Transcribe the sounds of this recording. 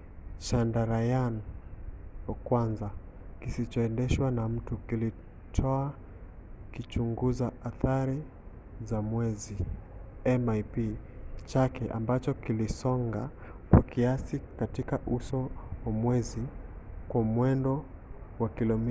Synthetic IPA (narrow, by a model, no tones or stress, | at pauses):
ʃandaɾajan | wakwanza | kisit͡ʃɔɛndɛʃwanam̩tukili | tʰɔa | kit͡ʃuŋɡuzaaθaɾi | zamwɛzi | ɛmajpit͡ʃakɛʔa̰mbat͡ʃɔkilisɔŋɡa | kwakiasikatikaʔusɔwamwɛzikwamwɛndɔwakilɔmi